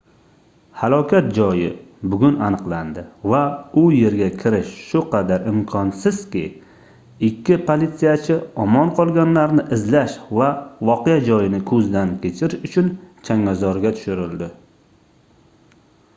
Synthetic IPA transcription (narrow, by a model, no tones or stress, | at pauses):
halˠɒkʲʰat̪̚d͡ʒɒjɪbʊɡʲʊnanɨqlˠand̪ɪvaʊje̞ɾɡʲakʲʰɪɾɪʃʃʊqʰɑd̪aɾɪmkʰɒnsɪz̥kʲɪ̰ | ɪkʲʰːɪpʰolit̪sijat͡ʃʰɪɒmɒnqʰɒlˠɡʲanlaɾnɪʔɪzlaʃvavɒqʰejad͡ʒɒjɪnɪkʰɵzd̪ankʲʰe̞t͡ʃʰɪɾɪʃʊt͡ʃʰʊnt͡ʃʰaŋazɒɾɡʲat̪ʰʊ̥ʃɪɾɪld̪ɪ